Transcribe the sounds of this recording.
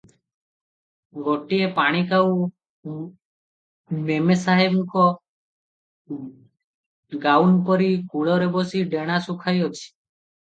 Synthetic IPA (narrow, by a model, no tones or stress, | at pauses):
ɡɔʈiepaɽ̃ikaw | memesaɦebkɔ | ɡawnpɔɾikuɭɔɾebɔsiɖeɽ̃asukʰajɦɔt͡ʃʰi̥